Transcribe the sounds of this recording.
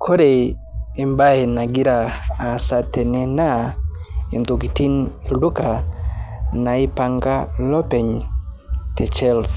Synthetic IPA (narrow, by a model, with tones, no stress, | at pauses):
kʰo˦ɾe˨ɪ˨mba˦e˨na˨ɡi˦ɾaː˨sa˦tɛ˨ne˨na˦ | e˨nto˨ki˨ti˦ni˨lo˦ka˨ | na˨ɪ˦pa˨ŋɡa˦lɔ˦pɛ˨ɲ | tʰɛ˨t͡ʃɛ˦˨l